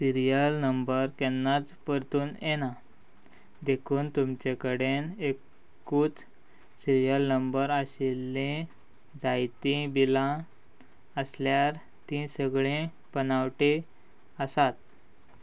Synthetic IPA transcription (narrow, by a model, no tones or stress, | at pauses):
siɾijəlnəmbəɾkɛnːat͡spəɾt̪uːnjena | d̪ekʰuːnt̪umt͡ɕekəɽenekː | uːt͡s | siɾijəlnəmbəɾaɕelːẽ | d͡zajt̪ĩbilã | əsljaɾ | t̪ĩsəɡɭẽ | b̥ənawʈe | əsat̪̚